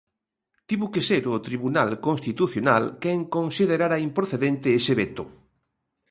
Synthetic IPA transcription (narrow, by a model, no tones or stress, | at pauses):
t̪iβʊkeseɾʊt̪ɾiβunalkonst̪it̪uθjonalkeŋkonsið̞eɾaɾaimpɾoθeðent̪ɪeseβet̪ʊ